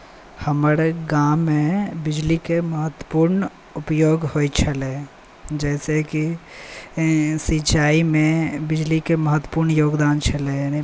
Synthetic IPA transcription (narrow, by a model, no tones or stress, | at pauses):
həməɾeɡãmːẽbɪd͡ʒlikeməɦət̪wə̥puːɾn | ʊpjoːɡhoit͡ʃʰəle | d͡ʒɛːseki | sit͡ʃaːimẽbɪd͡ʒlikeməɦət̪wə̥puːɾɳjoːɡd̪aːnt͡ʃʰəleni